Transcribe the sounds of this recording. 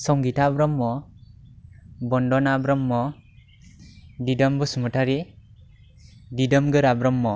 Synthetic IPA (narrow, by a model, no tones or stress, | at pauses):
sɔŋɡitʰabɾɔmːɔ | bɔndɔnabɾɔmːɔ | didɔmbɔsumɯtʰaɾi | didɔmɡɯɾabɾɔmːɔ